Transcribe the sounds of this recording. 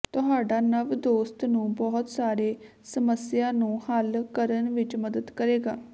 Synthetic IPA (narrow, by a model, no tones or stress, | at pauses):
t̪ʊɦaːɖaːnəʋd̪oːst̪nũːbɔːʊt̪saːɾeː | səməsɪjaːnũːhəlkəɾənʋɪt͡ʃməd̪əd̪kəɾeːɡaː